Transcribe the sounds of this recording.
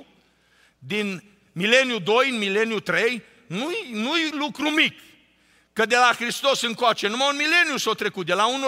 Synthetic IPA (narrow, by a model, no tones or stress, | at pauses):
d̪in | mile̞nijud̪o̞jɨnmile̞niut̪ɾe̞j | nujnujlukɾumik | kəd̪e̞laxɾist̪o̞sɨŋkoat͡ʃe̞numaunmile̞niusowt̪ɾe̞kut̪̚d̪elaun